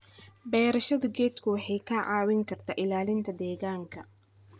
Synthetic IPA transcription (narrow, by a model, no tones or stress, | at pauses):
bɛːɾɐʃɐðɐɡɛːt̪kʰʊwɑħɑjkʰɐʕɑːwɪŋkʰɐrt̪ʰaːʔɪlaːlɪnt̪ʰɐd̪ɛːɣaːŋkʰɐ